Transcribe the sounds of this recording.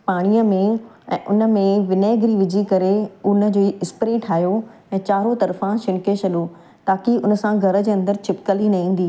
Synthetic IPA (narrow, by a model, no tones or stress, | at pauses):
paːɽ̃ijəmẽ | ɛ̰̃ːʔʊnə̆mẽʋɪneːɡɾiʋɪd͡ʑʱikɐɾeʊnə̆d͡ʑoːiɪspɾẽːʈʰaːjoɛ̃ːt͡ɕaːɾot̪ɐɾfãʃɪnket͡ɕɐɗoː | t̪aːkiʊnəsãɡʱɐɾəd͡ʑeːɐ̃nd̪əɾt͡ɕʰɪpkəlinɐɦĩːn̆d̪iː